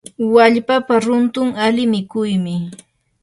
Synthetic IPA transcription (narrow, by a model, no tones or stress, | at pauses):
waʎpapaɾʊnt̪ʊŋalɪmɪkʊjmɪ